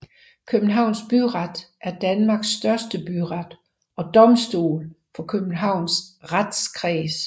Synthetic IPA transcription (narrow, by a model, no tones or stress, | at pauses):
kʰøb̥n̩ɦɑ̈ʊ̰nsb̥yʁɑd̥ʔæɐd̥ænmɑ̈ɡ̥sd̥ɶɐsd̥əb̥yʁɑd̥ | ɒ̽d̥ɒ̽msd̥ṵːl | fɒ̽kʰøb̥n̩ɦɑ̈ʊ̰nsʁad̥skʰʁɛːs